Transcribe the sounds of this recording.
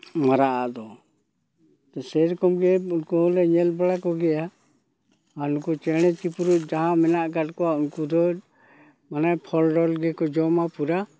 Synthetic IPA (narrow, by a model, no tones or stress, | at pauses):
maɾaʔad̪ɔ | t̪ɛsɛɾkɔmɡɛunkulɛɲɛlbalakɔɡɛja | ankut͡ʃɛɽ̃ɛt͡ʃipuɾuʔ̚ˀd͡ʒaɦãmɛnaʔkaʈ̚kɔaunkud̪ɔ | manapʰɔlɖɔlɡɛkɔd͡ʒɔmapuɾa